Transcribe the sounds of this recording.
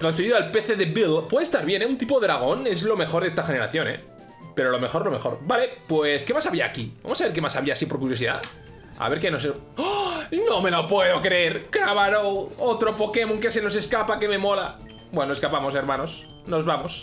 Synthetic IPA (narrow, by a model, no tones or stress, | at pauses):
t̪ɾansfeɾiðoalpeθeðebilpwe̞ðest̪aɾβje̞neunt̪ipoðeɾaɣ̞o̞nezlo̞me̞xo̞ɾðest̪axe̞neɾa̰θjo̞nḛ | pe̞ɾo̞lo̞me̞xo̞ɾlo̞me̞xo̞̰ɾbale̞pweskemasaβia̰ːkiba̰mosaβe̞ɾke̞masaβiasipo̞ɾkuɾjo̞siða̰ | a̰βe̞ɾk̬enos̬e | nome̞lopweðo̞kɾeeɾkɾaβaɾoot̪ɾo̞po̞ke̞moŋk̬eseno̞s̬e̞skapake̞me̞mo̞la | bwenoeskapamo̞s̬e̞ɾmano̞s | no̞zβamo̞s